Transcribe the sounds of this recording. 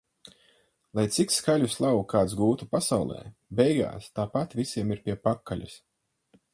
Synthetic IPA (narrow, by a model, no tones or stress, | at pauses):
lˠajt̪sikskalʲuslˠawkaːt̪sɡuːt̪upasawlˠɛ̰ːbɛjɡa̰ːst̪aːpat̪vʲisiɛmiɾpʲiɛpakːalʲʔa̰s